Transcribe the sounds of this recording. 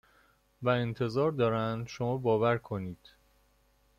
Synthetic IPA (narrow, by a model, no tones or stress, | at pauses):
væent̪ʰe̞zɒːɾd̪ɒːɾænd̪ʃo̞mɒːbɒːvæɾkʰo̞niːd̪̥